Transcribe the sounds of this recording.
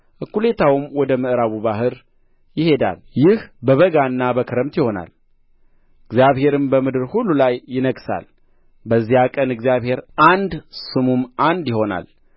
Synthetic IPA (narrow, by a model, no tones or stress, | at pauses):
ʔɨkːule̞t̪ʰawɨmwɔd̪əmɨʔɾaβuβaɦɨɾ | jɪhe̞d̪a̰ljɪhbəβəɡanːabəkʰɨɾəmt̪jɪho̞na̰l | ɨɡzjaβhe̞ɾɨmbəmɨd̪ɨɾhulːulajːɪnəɡsa̰l | bəzːijakʼənɨɡzijaβhe̞ɾʔand̪sɨmumʔand̪jɪho̞na̰l